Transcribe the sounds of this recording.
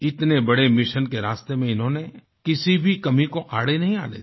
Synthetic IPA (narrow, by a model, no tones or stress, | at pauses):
ɪt̪nebɐɽemɪʃənkeɾaːst̪emẽɪnɦõːne | kɪsibʱikɐmikoʔaːɽenɐɦĩa̰ːlḛː